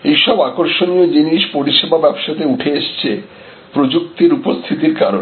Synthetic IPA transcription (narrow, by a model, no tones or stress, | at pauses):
ejʃɔbakoɾʃoniod͡ʑiniʃpoɾiʃebabɛbʃat̪euʈʰeeʃt͡ɕʰe | pɾod͡ʑuk̚t̪iɾupost̪ʰit̪iɾkaɾon